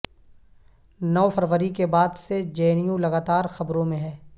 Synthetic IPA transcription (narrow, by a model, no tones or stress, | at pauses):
nɔːfɐɾʋəɾikebaːd̪sed͡ʒeːnijũlɐɡaːt̪aːɾxɐbɾõmẽɦɛː